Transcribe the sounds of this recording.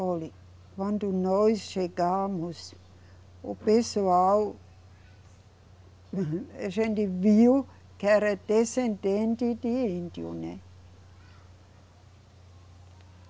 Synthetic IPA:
oli | ʋɑnt̪unoissekɑːmus | opesoau | esend̪iʋʋiu | kæɾet̪esent̪ent̪it̪ient̪jṵne

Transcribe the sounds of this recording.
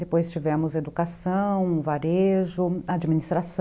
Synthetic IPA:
d̪epojst͡ʃivɛ̃mʊzɐed̪ukasɐ̃w̃vaɾeʒʊad͡ʒiminist̪ɾas

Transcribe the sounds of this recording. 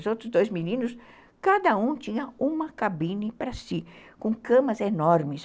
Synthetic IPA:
zowt̪ɾʊzd̪ojzminĩnʊs | kad̪ɐũt͡ʃĩɲɐũmɐkabĩnɪpɾɐsikõkɐ̃mɐzenɔɾmɪs

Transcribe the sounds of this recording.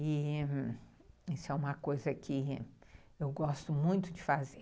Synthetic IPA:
ɪ | isʊɛũmɐkojzɐkʰɪ | ewɡɔst̪ʊmũj̃t̪ʊd͡ʒɪfaze

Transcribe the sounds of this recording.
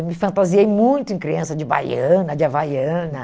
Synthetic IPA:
mɪfɐ̃nt̪aziejmũj̃t̪ʊẽkɾiɐ̃sɐd͡ʒɪba̰jɐ̃nɐd͡ʒɪavajɐ̃nɐ

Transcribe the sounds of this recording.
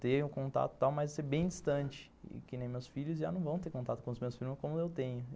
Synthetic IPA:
t̪eɾʊkõnt̪a̰t̪ʊ̥t̪awmɐjzseɾbẽj̃d͡ʒist̪ɐ̃t͡ʃɪ̥̰ | kɪnẽj̃mewsfiʎʊzʒa̰nɐ̃w̃vɐ̃w̃t̪eɾkõnt̪at̪ʊkõʊzmewsfilmɐkõmʊewt̪ẽɲʊ

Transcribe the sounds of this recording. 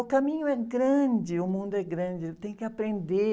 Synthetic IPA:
ʊkamĩɲʊɛɡɾɐ̃d͡ʒɪʊmũnd̪ʊɛɡɾɐ̃d͡ʒɪt̪ẽj̃kɪapɾẽnd̪e

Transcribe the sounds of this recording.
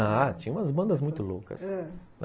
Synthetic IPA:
at͡ʃĩɲ̃ũmɐzbɐ̃nd̪ɐzmũj̃t̪ʊlokɐ̰sn

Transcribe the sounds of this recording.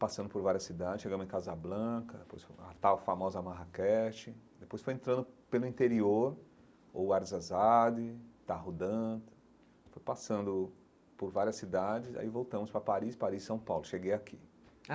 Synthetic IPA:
pasɐ̃nd̪ʊpoɾvaɾiɐsid̪ad͡ʒɪsʃeɡɐ̃md̪ẽkazɐblɐɐ̃kɐd̪epojsfɐ̰t̪awfamɔzɐamaɦakɛt͡ʃɪd̪epojsfojẽnt̪ɾɐ̃nd̪ʊpelʊĩnt̪eɾioɾ | o̰waɾzazad̪ɪt̪aɦod̪ɐ̃d̪ | fojpasɐ̃nd̪ʊ | poɾvaɾiɐsːid̪ad͡ʒɪza̰ivowt̪ɐ̃mʊspɾɐpaɾispaɾissɐ̃w̃pawlʊʃeɡejakʰi

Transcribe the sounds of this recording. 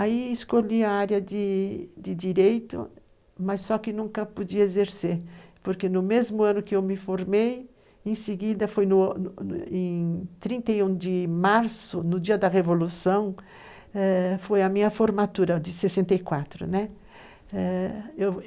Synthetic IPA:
aiɪskoʎiɐaɾjɐd̪ɪd̪ɪd̪iɾejt̪ʊ̰ | mɐsːɔkɪnũŋkɐpod͡ʒiɐezeɾseɾpoɾkenʊmezmʊɐ̃nʊkɪewmɪfoɾmej | ẽsɪɡid̪ɐfojnʊ | ẽj̃t̪ɾĩnt̪ɐjũd̪ɪmaɾsʊnʊd͡ʒiɐd̪ɐʁevolusɐ̃w̃ | ɛfojɐmĩɲɐfoɾmat̪uɾɐd̪ɪsesẽnt̪ejkwat̪ɾʊ̰nɛ | ɛew

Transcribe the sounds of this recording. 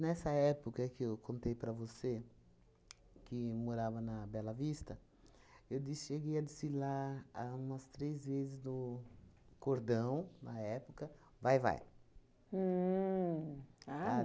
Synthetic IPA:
nɛsɐɛpokɐkɪewkõnt̪ejpɾɐvose | kɪmoɾavɐnɐbɛlɐvist̪ɐ | ewd̪ɪʃeɡejɐd̪ɪsilaɾaũmɐst̪ɾezvezɪznʊ | koɾd̪ɐ̃w̃nɐɛpokɐ | vajva̰j̩ | aa

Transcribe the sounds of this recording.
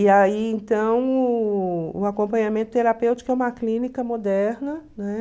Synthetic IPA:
iaiẽnt̪ɐ̃w̃ʊ | ʊakõmpɐ̃ɲamẽnt̪ʊ̥t̪eɾapewt͡ʃi̥kʊɛũmɐklĩnikɐmod̪ɛɾnɐnɛ

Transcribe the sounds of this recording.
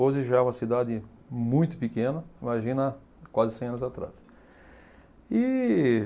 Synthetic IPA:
oʒɪʒaɛũmɐsid̪ad̪ɪmũj̃t̪ʊ̥pikẽnɐimaʒĩnɐa | kwazɪsẽj̃ɐ̃nʊzat̪ɾa̰s | ɪ

